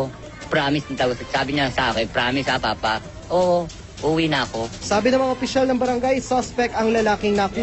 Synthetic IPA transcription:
pɾaːmɪsnɐt̪ɐɡɐsɐsaːbɪɲasɐʔa̰ːkɛnpɾaːmɪsʔapaːpɐ | ʔoːʔo | ʔuwinɐɐko̞saːbɪnɐmɐŋaʔopɪʃalnɐŋbɐɾɐŋɡajsospɛk̚ɐŋlɐlaːkɪŋnɐkuː

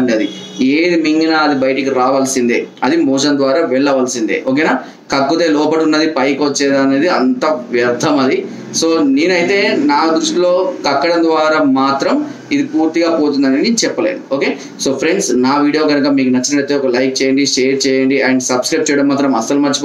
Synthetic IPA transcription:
ɳɖɐd̪ieːd̪imiŋɡinaːd̪ibɐjɐʈɐkiɾaːʋaːlsind̪ḛːɐd̪imɔːʃɐnd̪ʋaːɾaːʋɛɭːɐʋaːlsind̪ḛʔoːk̬eːnaː | kɐɡːut̪eːlɔːpɐʈunːɐd̪ipɐjkot͡ʃːeːd̪aːneːd̪iɐnt̪ɐʋjɐɾd̪ʱɐmɐd̪i | soːniːnɐjit̪e̞ːnaːd̪ɾuʂʈilo̞ːkɐkːɐɽɐmd̪ʋaːɾaːmaːt̪ɾɐm | id̪ipuːɾt̪iɡaːpoːt̪̬und̪ɐneːnit͡ʃɛpːɐleːnuoːkeː | soːpʰɾeɳɖsnaːʋiːɽijo̞ːɡɐnɐkɐmiːkunɐt͡ʃːɐnɐɽɐit̪eɔkɐlɐjk̚t͡ʃɛːjɐɳɖiʂeːjɐɾt͡ʃɛːjɐɳɖiɐɳɖsɐbskɾɐjp̚t͡ʃɛːjɐɽɐmːaːt̪ɾɐmɐsɐlumɐɾt͡ʃip

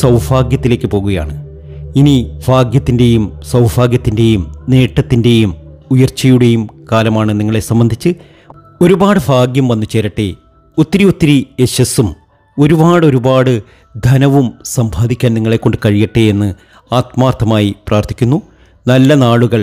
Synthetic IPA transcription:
sɐwbʱaːɡjɐt̪ːile̞ːkːɨpo̞ːɣuɣɐja̰ːɳɨ | inibʱaːɡjɐt̪ːinde̞jumsɐwbʱaːɡjɐt̪ːinde̞jumne̞ːʈːɐt̪ːinde̞jumujɐrt͡ɕːɐjuɽe̞jumkaːlɐmaːɳɨniŋːɐɭe̞sɐmbɐnd̪ʱit͡ɕːɨ | o̞ɾubaːɽɨbʱaːɡjɐmʋɐnːut͡ɕe̞ːɾɐʈːe | ot̪ːiɾiot̪ːiɾieɕɐsum | o̞ɾubaːɽo̞ɾubaːɽɨ | d̪ʱɐnɐʋumsɐmbʱaːd̪ikʲːaːniŋːɐɭe̞kːo̞ɳɖɨkɐɻijiʈːeenːɨ | aːt̪̚maːrt̪ʰːɐmaːjipraːrt̪ʰi̥kʲːunːu | nɐlːɐnaːɭuɣɐɭ

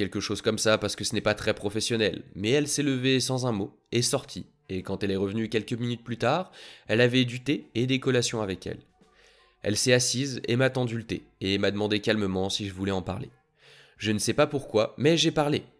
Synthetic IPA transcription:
kʲɛlkəʃozkɔmsapaʁsə̥kəsənɛpat̪χɛpχɔfɛsjɔnɛlmɛɛlsɛləvesɑ̃zɛ̃mo | esɔʁt̪ʰi | ekɑ̃t̪ɛlɛʁəvnykʲɛlkəminyt̪̚plyt̪aːʁɛlavɛd̪yt̪eed̪ekɔlasjɔ̃avɛkʲɛ̰l | ɛ̰lsɛasizḛmat̪ɑ̃d̪ylət̪eemad̪əmɑ̃d̪ekʲalməmɑ̃siʒəvulɛɑ̃pa̰ʁlḛ | ʒənəsɛpapuʁkwamɛʒepaʁle

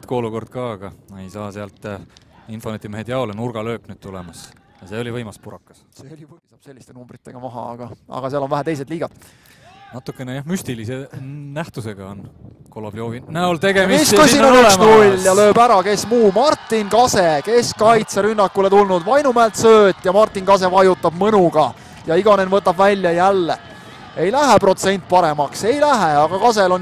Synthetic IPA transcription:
t̪ko̞ːluko̞rd̪̥̚kɑɡ̥ɑmɑe̞jsɑːseɑlt̪ːˑinfonet̪ʲːˑimeɦhed̪jɑolenurɡ̥ɑlø̞ːknyːd̥̪̚t̪ulemɑs | jɑseo̞livɤjmɑspuɾɑkːˑɑ̥sseolʲivisɑb̥selːist̪e̞numbrit̪ːˑe̞̰ɡ̥ɑmɑɦɑ̰ɑ̰ɡ̥ɑɑ̰ɡ̥ɑseɑlo̞nvæɦæt̪e̞js̬e̥liːɡ̥ɑd̪̥ | nɑt̪ːˑukːˑenejɑhmysʲt̪ilisenæht̪useɡ̥ɑon | kolɑ̰bljoːvinæolt̪e̞ɡemmiiskujsiːnnonnyksnulʲjɑlø̞ːbæɾɑke̞smuːmɑrt̪ːˑinkɑse̞ke̞skɑjt̪seɾynːɑkːule̞t̪ulnud̪̥vɑjnumæelt̪søːt̪ːˑjɑmɑrt̪ːˑinkɑs̬e̞vɑjut̪ˑːɑb̥mɨnuɡ̥ɑ | jɑiɡɑne̞nvɤt̪ːˑɑbvælʲjɑjælːe̞ | e̞jlæɦepro̞t̪se̞nʲt̪̚ːˑpɑɾe̞mɑkse̞jlæɦeɑɡ̥ɑkɑs̬e̞lo̞n

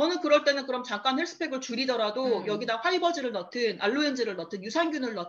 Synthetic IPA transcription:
ʌnɯnkɯɾʌɭt͈e̞nɯnkɯɾʌmt͡ɕaŋk͈anhe̞ɭs͈ɯ̥pʰe̞ɡɯɭt͡ɕuɾidʌɾadojʌɡidanɸwaibʌd͡ʑiɾɯɭnʌtʰɯnʔaɭːuend͡ʑɯɾɯɭnʌtʰɯnjusʰanɡʲunɯɭnʌ

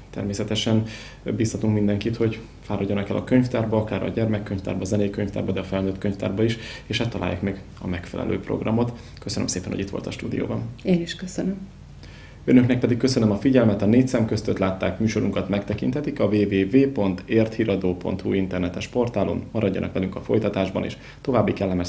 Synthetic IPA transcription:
t̪ɛ̰rmeːsɛt̪ɛʃɛn | biːst̪ɒt̪uŋkmind̪ɛŋkit̪ho̞ɟ | faːɾɒɟːonɒkɛlʔɒkø̞ɲft̪aːrbɒɒkaːɾɒ̰ɟɛrmɛkːøɲft̪a̰ːrbɒːzɛnɛjikø̞ɲft̪a̰ːrbɒd̪ɛɒfɛlnøːt̪kø̞ɲft̪a̰ːrbɒiʃeːʃhat̪ːɒla̰ːja̰kmɛɡ | ɒmɛkfɛlʔɛ̰lʔø̰ːpro̞̰ɡrɒ̰mo̞t̪ | køsønømseːpɛnho̰it̪ʋo̞̰lt̪ɒʃt̪uːd̪ḭjo̰ːbɒneːniʃkøsønøm | ønø̞knɛk̚pɛd̪ik̚kːøsønømɒfiɟɛlmɛt̪ɒneːct̪sɛmkøst̪øt̪laːt̪ːaːkmyːʃo̞ɾuŋkɒt̪mɛkt̪ɛkint̪ɛt̪ikɒveːveːveːpo̞nt̪eːrt̪hiɾɒd̪oːpo̞̰nt̪hṵint̪ɛrnɛt̪ɛʃpo̞rt̪aːlṵmmɒɾɒɟːɒnʔɒ̰kʋɛlyŋkɒfo̞̰jt̪ɒt̪aːʒbɒnʔḛːʃ | t̪o̞vaːbːikɛlːɛmɛ

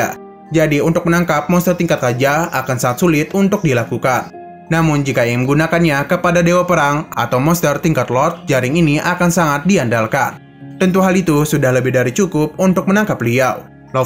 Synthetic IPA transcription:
a | d͡ʒadiunt̪ʊk̚mənaŋkap̚mɔnst̪ərt̪iŋkat̪̚ɾad͡ʒaakansaŋat̪̚sulɪt̪unt̪ʊk̚dilakukanː | amʊnd͡ʒikajaŋməŋɡunakanɲakəpadadewapəɾaŋa̰t̪awmɔnst̪ərt̪iŋkat̪lɔt̪̚d͡ʒaɾɪŋiniʔakansaŋat̪̚diandalka̰n | t̪ənt̪uɦalit̪usudahləbɪhdaɾit͡ʃukʊp̚unt̪ʊk̚mənaŋkapliaw | lɔ

